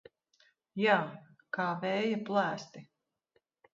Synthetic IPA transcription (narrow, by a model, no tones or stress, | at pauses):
jaː | kaːvɛːjaplˠæːst̪i